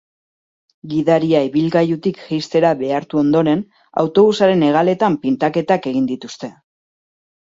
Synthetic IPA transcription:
ɡiðaɾiaiβilɣajut̪ikʝijst̪e̞ɾaβe̞aɾt̪uo̞nd̪o̞ɾe̞n | a̰wt̪o̞βusaɾe̞ne̞ɣ̞ale̞t̪ampint̪ake̞t̪ake̞ɣ̞ind̪it̪ust̪e̞

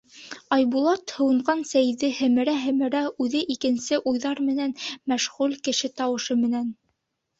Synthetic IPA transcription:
ɑjbulˠɑt̪hɤ̆wɤ̆ɴɢɑnsæjðɘhɘ̆mɘ̆ɾæɦɘ̆mɘ̆ɾæʉðɘʔikɘ̆nsɘʔujðɑɾmɘ̆nænmæʃʁʉlkɘ̆ʃɘt̪ɑwɤ̆ʃɤmɘ̆næn

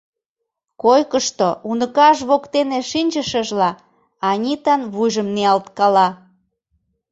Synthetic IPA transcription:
kojkəʃt̪ounəkɑʃβokt̪eneʃinʲt͡ɕəʃəʒlɑ | ɑnʲit̪ɑnβujʒəmneɑlt̪kɑlɑ

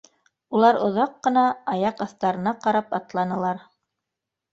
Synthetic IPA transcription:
ulˠɑɾŏðɑqːɤ̆nɑɑjɑqɑθt̪ɑɾɤ̆nɑqɑɾɑpɑt̪lˠɑnɤ̆lˠɑɾ

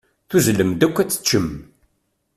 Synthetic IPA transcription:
θuzləmd̪ækʷːæt͡sːə̥t͡ʃːəm

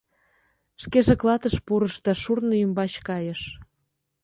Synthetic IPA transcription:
ʃkeʒeklɑt̪əʃpuɾəʃd̪ɑʃurnoymbɑɕkɑjəʃ

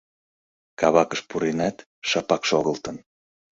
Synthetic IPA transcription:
kɑβɑkəʃpuɾenɑt̪ | ʃɑpɑkʃoɣəlt̪ən

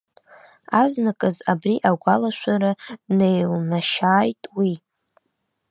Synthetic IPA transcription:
aznakʼɨzabriʔaɡʷalaʃʷaɾane̞jlnaʃaːjtʼwi

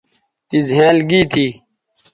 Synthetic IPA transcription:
t̪izɦẽːlɡiːt̪ʰi

